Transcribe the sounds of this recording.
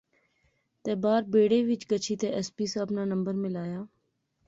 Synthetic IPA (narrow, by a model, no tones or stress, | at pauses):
t̪eːbaːɾbeːɽeːʋɪt͡ʃkət͡ʃʰiːt̪eːʔɛspiːsaːbnaːnə̃mbəɾmɪlaːjaː